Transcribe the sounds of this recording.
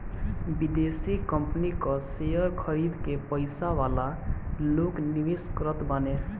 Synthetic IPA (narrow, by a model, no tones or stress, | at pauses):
bid̪esikəmpnikɔsejəɾkʰəɾid̪kepəɪsaʋalalokniʋiskəɾət̪bəne